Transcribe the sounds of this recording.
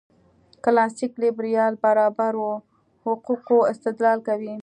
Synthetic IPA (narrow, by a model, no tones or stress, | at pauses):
klɑsiklɪbɾijɑlbaɾɑbaɾwo | hʊquqoɪst̪ɪd̪lɑlkawi